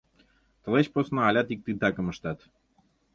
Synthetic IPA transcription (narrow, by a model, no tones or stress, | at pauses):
t̪ɤ̆let͡ɕposnoɑlʲɑt̪ik̚t̪ɨt̪ɑkə̆mə̆ʃt̪ɑt̪